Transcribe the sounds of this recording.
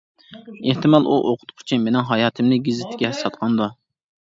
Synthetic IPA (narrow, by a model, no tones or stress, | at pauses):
eht̪ɨmɑlˠʔuʔoqʰʊ̥t̪qʰʊ̥t͡ʃʰimenɪŋɦɑjɑːt̪ʰɨmnɪɡʲizɪt̪ʰɪ̥ɡʲɛsɑt̪̚qʰɑnd̪u